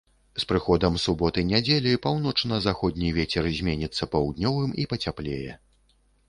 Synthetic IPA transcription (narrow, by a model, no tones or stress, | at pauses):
spɾɨxɔd̪ɐmsubɔt̪ɨjnʲad͡zʲelʲipawnɔt͡ʂnɐzaxɔd̪ʲnʲivʲet͡sʲɛrzʲmʲenʲit̪sːɐpawd̪nʲɔvɨmipɐt͡sʲaplʲejɛ